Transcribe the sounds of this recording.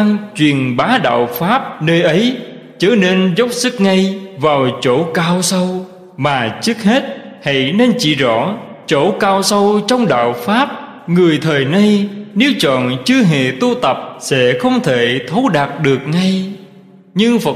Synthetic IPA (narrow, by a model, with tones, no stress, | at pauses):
a˧ŋt͡ɕwi˨˩ənɓaː˨˦ɗa̰ː˧˨wfaː˦˥p̚nəː˧jʔə˨˦j | t͡ɕəː˧˩ne˧nzə˦˥wk͡p̚sɨ˦˥k̚ŋa˧jvaː˨˩wt͡ɕo̰˧˥kaː˧wsə˧w | maː˨˩t͡ɕɨ˦˥k̚he˦˥t̚ha̰˧˥jne˧nt͡ɕḭ˧˩˨zɔ̰˧˥ | t͡ɕo̰˧˥kaː˧wsə˧wt͡ɕɔ˧wŋ͡mɗa̰ː˧˨wfaː˦˥p̚ | ŋɨ˨˩əjt̪ʰəː˨˩jna˧jne˨˦wt͡ɕɔ̰˧˨nt͡ɕɨ˧əɦḛ˧˨t̪u˧t̪ə˨˩p̚sɛ̰˧˥xə˧wŋ͡mt̪ʰe˧˩t̪ʰo˨˦ɗaː˨˩t̚ɗɨ˨˩ək̚ŋa˧j | ɲɨ˧ŋfə˨˩